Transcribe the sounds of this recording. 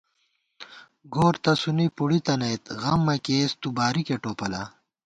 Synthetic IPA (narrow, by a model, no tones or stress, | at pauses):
ɡoːɾt̪ɐsunipuɽit̪ɐnɐjt̪ɣɐmːɐkeːst̪ubaːɾikeʈoːpɐla̰